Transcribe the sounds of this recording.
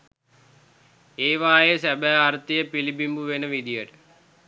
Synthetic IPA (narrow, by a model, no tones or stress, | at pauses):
eːʋaːjesæbæːaɾt̪ijəpilibimbuʋenəʋid̪ijəʈə̥